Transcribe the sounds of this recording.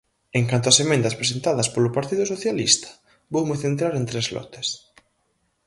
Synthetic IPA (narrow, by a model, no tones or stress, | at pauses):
eŋkant̪oasemẽnd̪ɐspɾes̬ent̪aðɐspolʊpaɾt̪iðʊsoθjalist̪ɐ̥ | bowmeθent̪ɾaɾent̪ɾezlɔ̰t̪e̥s